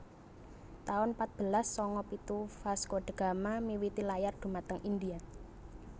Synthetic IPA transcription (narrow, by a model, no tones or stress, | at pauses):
t̪aʊnpat̪̚b̥ə̤lasːɔŋɔpit̪ufaskoɖ̪̥ə̤ɡ̥a̤mamiwit̪ilajard̪̥ṳmat̪əŋind̪ia